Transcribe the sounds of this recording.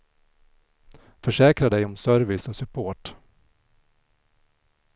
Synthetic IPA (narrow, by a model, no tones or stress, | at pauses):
fœʂɛːkɾad̪ɛjɔmsœɾvɪsɔsɵpʰoːʈ